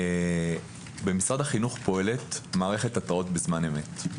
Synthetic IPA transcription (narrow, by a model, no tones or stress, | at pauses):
bemisʁadhaχinuχpo̞e̞le̞tmaːʁeχetataʁo̞tbezmane̞me̞t